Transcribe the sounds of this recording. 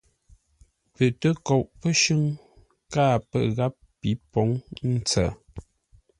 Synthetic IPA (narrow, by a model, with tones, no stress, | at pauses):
pə˨tə˦kɔ˨ʔpə˦ʃʉ˦ŋ | kaː˦˨pə̰˦˨ɣa˦pːi˨˦pɔ˨˦ŋn̩˦t͡sə̰˨